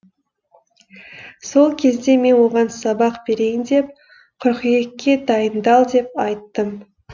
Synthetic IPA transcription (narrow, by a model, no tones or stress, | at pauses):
so̞lˠkʲʰe̞zd̪e̞me̞nwo̞ʁɑnsɑbɑqbe̞ɾe̞jɪnd̪e̞p̚ | qʰʊɾqije̞kʲːe̞d̪ɑjənd̪ɑlˠd̪e̞p̚ɑjt̪ːəm